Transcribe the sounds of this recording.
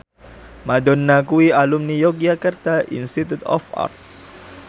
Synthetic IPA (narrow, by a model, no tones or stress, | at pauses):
madɔnːakuwialumnijɔkijakərt̪aʔḭnst̪it̪ut̪ɔ̰fa̰rt̪̚